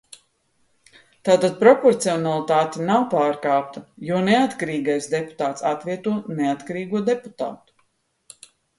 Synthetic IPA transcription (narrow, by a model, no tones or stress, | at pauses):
t̪aːt̪ad̪̚pɾɔpɔɾt̪siɔnalˠit̪aːt̪inawpaːɾkaːp̚t̪ɐjuɔneat̪kaɾiːɡajsd̪epu̥t̪aːt̪sat̪viɛt̪uɔneat̪kaɾiːɡuɔd̪eput̪a̰ːt̪u̥